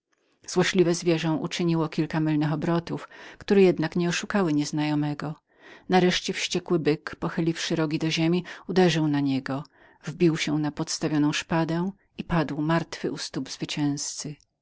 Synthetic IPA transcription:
z̥wɔɕlʲivɛzvʲjɛʐɔ̃w̃ʔṵt͡ʂɘɲiwɔkʲilkamɘlnɘxɔbɾɔt̪ufkt̪uɾɛjɛd̪nakɲɛɔʂukawɘɲɛznajɔmɛɡɔ | naɾɛʂt͡ɕɛfɕt͡ɕɛkwɘbɘkpɔxɘlʲifʂɘɾɔɡʲid̪ɔʑemʲiud̪ɛʐɘwnaɲɛɡɔ | vbʲiwɕɛnapɔt̪st̪avʲjɔnɔ̃w̃ʂpad̪ɛ̃ | ipad̪wmaɾt̪fɘʔust̪ubz̥vɘt͡ɕɛ̃w̃st̪sɘ

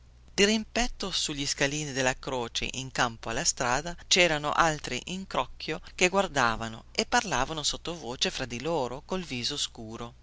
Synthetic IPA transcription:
d̪̥irimpɛt̪ːosuʎːiskaliːnid̪elːakɾoːt͡ʃḛʔiŋkampoalːast̪ɾaːd̪at͡ʃɛːɾano̰ʔalt̪ɾḭʔiŋkɾɔkʰːjok̟eɡward̪aːvano̰epːarlaːvanosot̪ːovoːt͡ʃefɾad̪iloːɾokolviːzoskuːɾo

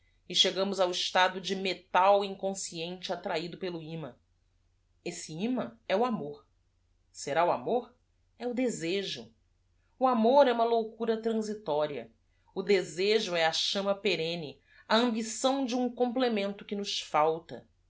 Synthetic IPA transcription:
ɪʃeɡɐ̃mʊzawɪʃt̪ad̪ʊd͡ʒɪmet̪awĩŋkõsiẽnt͡ʃɪat̪ɾaid̪ʊpelʊĩmɐ | esɪĩmɐɛʊamoɾ | seɾauamoɾ | ɛʊd̪ezeʒʊ | ʊamoɾɛũmɐlowkuɾɐt̪ɾɐ̃zit̪ɔɾiɐ̰ | ʊd̪ezeʒʊɛɐʃɐ̃mɐpeɾẽnɪ | ɐɐ̃mbisɐ̃w̃d͡ʒɪũŋkõmplemẽnt̪ʊkɪnʊʃfawt̪ɐ̰

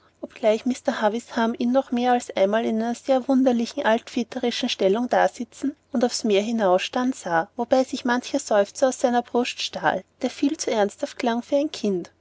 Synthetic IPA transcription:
ʔɔp̚ɡ̥laɪçmɪstɐhavɪshamiːnːɔχmeːɐalsʔa̰ɪnmaːlɪnæɪnɐz̥eːɐvʊndɐlɪçn̩ʔaltfitʰəʁɪʃn̩ʃtɛlʊŋd̥aːɐz̥ɪt͡sn̩ʊndaʊfsmeːɐɦɪnaʊsʃtantz̥aːvob̥aɪzɪçmançəz̥ɔʏft͡saʊssaɪnɐb̥ʁʊstʃta̰ːld̥eːɐfiːlt͡suɛɐnsthaft̚kʰl̥aŋfyːɐæɪnkʰɪnt

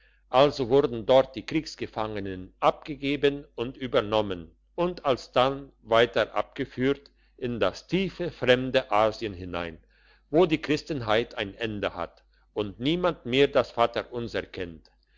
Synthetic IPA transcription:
ʔalzovʊɐdn̩dɔɐt̚d̥iːkʁ̥iːksɡ̥əfaŋənənʔap̚ɡ̥əɡeːbənʊntyːbɐnɔmən | ʔʊntalsd̥an | vaɪtɐʔa̰p̚ɡ̥əfyːɐt | ʔɪndastʰiːfəfʁ̥ɛmdəʔaːziənɦɪna̰ɪn | voːdiːkʁ̥ɪstənɦaɪtʰaɪnʔɛndəha̰t | ʔʊntniːmandmeːɐdasfaːtɐʔʊnzɛɐkʰɛnt

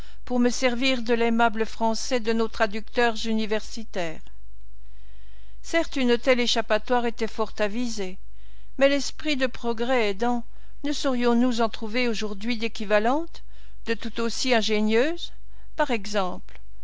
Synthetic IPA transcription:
puʁməsɛʁviʁd̪əlemabləfχɑ̃sɛd̪ənot̪χad̪yk̚t̪œʁzynivɛʁsit̪ɛːʁ | sɛʁt̪ynot̪ɛleʃapat̪waʁet̪ɛfɔʁt̪avize | mɛlɛspχid̪əpχɔɡʁɛːd̪ɑ̃ | nəsɔʁjɔ̃nuzɑ̃t̪χuveoʒuʁd̪ɥid̪ekʲivalɑ̃t̪ | d̪ət̪ut̪osiɛ̃ʒenjøːz | paʁɛɡzɑ̃pl

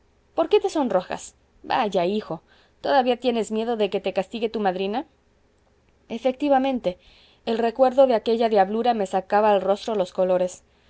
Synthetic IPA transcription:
po̞ɾke̞t̪e̞so̞nro̞xa̰s | baʝaixo̞ | t̪o̞ðaβiat̪je̞ne̞zmje̞ðo̞ðe̞ket̪e̞kast̪iɣe̞t̪umaðɾina | efe̞k̚t̪iβamẽ̞nt̪e̞ː | lre̞kwe̞ɾðo̞ðe̞ake̞ʝaðjaβluɾame̞sakaβaːlro̞st̪ɾo̞lo̞sko̞lo̞ɾe̞s

